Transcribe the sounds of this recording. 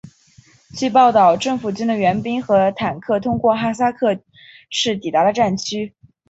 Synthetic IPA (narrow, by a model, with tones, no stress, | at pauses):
t͡ɕʰy˥˧p̬ɑ˥˩ʊt̪ɑ˥˩ʊʈ͡ʂɤ˥˩ŋfu˨˩t͡ɕi˥nd̪ə˨ɥɛ˧˥npi˥ŋxɤ˧˥t̪ʰa˨˩nkʰɤ˥˩t̪ʰʊ˥ŋkwɔ˥˩xa˥˩s̬a˥kʰɤ˥˧ | ʂɻ̩˥˩t̪i˨˩t̪a˧˥ɾə˧ʈ͡ʂa˥˩nt͡ɕʰy˥